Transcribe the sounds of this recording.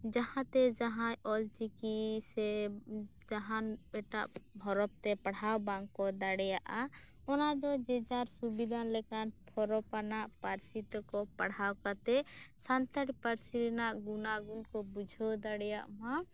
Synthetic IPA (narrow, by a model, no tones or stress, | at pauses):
d͡ʒahãt̪ɛd͡ʒaɦãjɔld͡ʒikisɛ | d͡ʒaɦanɛʈaʔbʱɔɾɔp̚t̪ɛpaɽ̤awbaŋkɔd̪aɽɛjaʔa | ɔnad̪ɔd͡ʒɛd͡ʒaɾsubid̪ʱanlɛkanpʰɔɾɔpanaʔpaɾsit̪ɔkɔpaɽ̤awkat̪ɛsant̪aʈpaɾsiɾɛnaʔɡunaɡunkɔbud͡ʒʱɔd̪aɽɛjaʔmã